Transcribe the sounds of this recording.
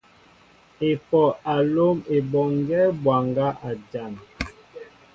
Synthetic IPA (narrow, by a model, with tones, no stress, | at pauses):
e˨fɔ˨a˨lo˦me˨bɔ˨ŋ˦ɡɛ˦bwa˨ŋɡa˦ʔa˨d͡ʒa˦˨n